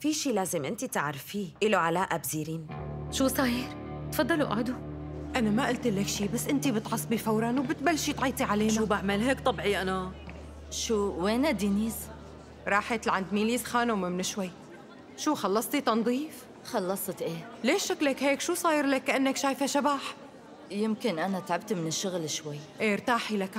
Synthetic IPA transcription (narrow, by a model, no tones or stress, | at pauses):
fiʃiːlaːzɪmʔɪnt̪it̪aʕɾfiːʔɪloʕalaːʔabziːɾiːnʃuːsˤɑːjɪɾ | t̪fɑd̪ˤːɑluʔa̰ʕd̪u | ʔanamaʔalt̪ʔɪlːɪkʃiːbasːʔɪnt̪ibɨt̪ʕɑsˤbifawɾˤɑnwbɪt̪̚balːʃiːt̪ʕiːt̪ˤiʕaleːnʃauːbaʕmalɦeːkt̪ˤɑbʕiʔana | ʃuːweːnad̪iniːz | ɾˤɑːħat̪lʕand̪miːliːsxaːnawmamɪnɪʃwajː | ʃuːxɑlːɑsˤt̪it̪ɑnd̪ˤiːf | xɑlːɑsˤt̪ʔeː | leːʃːaklakheːkʃuːsˤɑːjɾlakːaʔanːakʃaːjfaʃabaːħ | jɪmkɪnʔanat̪ʕabt̪mɪnɪʃːʊɣlʃwajːʔeːɾt̪aːħilak